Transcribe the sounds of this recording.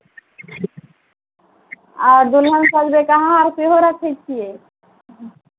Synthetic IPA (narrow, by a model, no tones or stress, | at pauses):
aɾd̪ulɦansad͡ʑbekaɦãaɾpeɦoɾat͡ɕʰejt͡ɕʰie